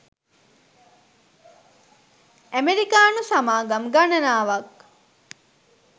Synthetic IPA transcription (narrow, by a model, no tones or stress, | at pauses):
æmeɾikaːnusamaːɡamɡanɐnaːʋak